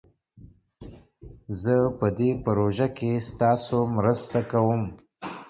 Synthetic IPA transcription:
zəpəd̪epəɾoʒakest̪ɑsomɾəst̪akawəm

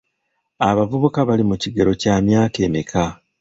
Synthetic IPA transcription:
aβavuβukaβalimuciɡe̞ɾo̞caːmjaːke̞ːmikʰa

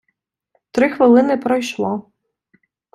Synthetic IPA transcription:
t̪ɾɪxʋɪlˠɪnɪpɾɔjʃlˠɔ

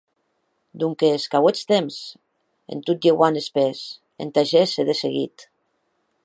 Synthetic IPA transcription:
d̪uŋkeskawet͡st̪emz | ḛnt̪ut̪̚d͡ʒeɣwanespes | ḛnt̪aʒeseðeseɣḭt̪

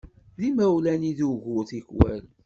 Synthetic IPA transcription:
ðimæwlæniðuʝʊθiçwæ̰l

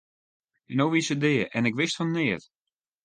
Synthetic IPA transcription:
ɛnowʋisədɪəʔɛnɪkʋɪstfɔnənɪət

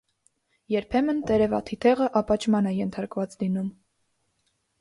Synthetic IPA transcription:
jɛɾpʰɛmənt̪ɛɾɛvɑt̪ʰit̪ʰɛʁəʔɑpɑt͡ʃʰmɑnɛjɛnt̪ʰɑɾkvɑt͡slinum

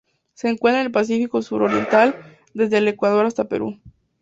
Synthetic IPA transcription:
se̞ːŋkwe̞nt̪ɾaelpas̬ifiko̞suɾoɾje̞̰nt̪al | d̪e̞zðe̞ːle̞kwað̞o̞ɾast̪ape̞̰ɾṵ

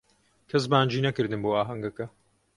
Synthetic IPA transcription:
kʰɐs̬baːnd͡ʒiːnɐkɨɾd̪ɨmboːaːɦɐŋɡɐkɐ

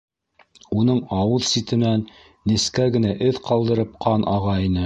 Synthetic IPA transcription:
unɤɴɑwɤðsit̪ɘ̆nænː | iskæɡɘ̆næʔɘðqɑlˠd̪ɤ̆ɾɤp̚qʰɑnʔɑʁɑinɘ

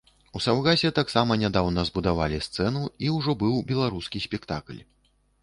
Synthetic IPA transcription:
usawɣasʲɛt̪aksamɐnʲad̪awnɐzbud̪avalʲist̪sɛn̪uiwʐɔbɨwbʲɛlˠaɾuskʲisʲpʲɛkt̪a̰klʲ

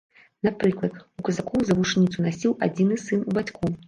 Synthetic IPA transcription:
napɾɨklˠɐd̪ukɐzakɔwzɐvuʂnʲit̪sunasʲiwad͡zʲinɨsɨnubat͡sʲku

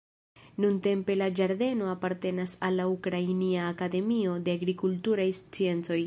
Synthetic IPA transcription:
nunte̞mpe̞lad͡ʒaɾde̞no̞apaɾte̞nasalːaukɾainiaːkade̞mio̞de̞aɡɾikultuɾajst͡sie̞nt͡so̞j

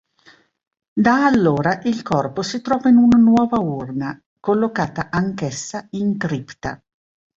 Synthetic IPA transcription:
d̪aːlːoːɾaʔilkɔrposit̪ɾɔːvainunanwɔːvaurna | kolːokaːt̪aʔaŋkesːaiŋkɾipt̪a̰

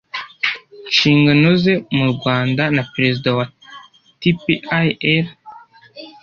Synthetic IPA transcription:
nʃiːŋɡanoze̞muɾɡwaːndanapɾe̞zidawa | tipiaeɾ

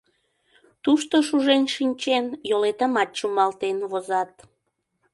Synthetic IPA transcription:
t̪uʃt̪oʃuʒenʃinʲt͡ɕenjolet̪əmɑt̪̚t͡ɕumɑlt̪enβozɑt̪̚

